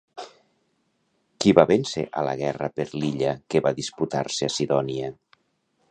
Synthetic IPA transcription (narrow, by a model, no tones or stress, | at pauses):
kiβaβensḛʔalə̰ɣ̞ɛrəpeɾliʎəkeβaðisput̪aɾseasiðɔniə